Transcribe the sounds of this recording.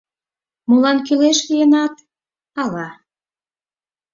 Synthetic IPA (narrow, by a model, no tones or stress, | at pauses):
mulɑnkyleʃlijə̆nɑt̪̚ | ɑlɑ